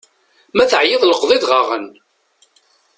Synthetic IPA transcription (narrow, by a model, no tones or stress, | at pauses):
mæθʕjeðˤləqðˤɪðʁɑʁə̰n